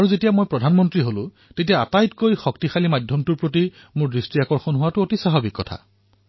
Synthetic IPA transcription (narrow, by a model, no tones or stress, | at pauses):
aɹuzetijamojpɹɔdʱanmɔntɹiɦolʊ̰̃ | tetijaatajtkojxɔktixalimadʱjɔmtuɹpɹoti | mʊɹɹistɹiakɔɹxɔnɦʊwatʊotisaɦabikːɔtʰa̰